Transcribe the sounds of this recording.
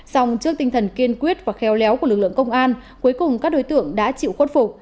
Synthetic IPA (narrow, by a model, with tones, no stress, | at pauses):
sa˧wŋ͡mt͡ɕɨ˦˥k̚t̪i˧ŋt̪ʰə˨˩nki˧ənkwi˦˥ət̚v̥aː˨˩xɛ˨˦wlɛ˨˦wku˧˩əlɨ˨˩k̚lɨ̰˧˨ə˨ŋkə˧wŋ͡mʔaː˧n | ku˨˦jkʊ˨˩ŋ͡mkaː˦˥k̚ɗo˨˦jt̪ɨ̰˧˨əŋɗa̰ː˧˥t͡ɕḭ˧˨wxo˦˥t̚fʊ˨˩k͡p̚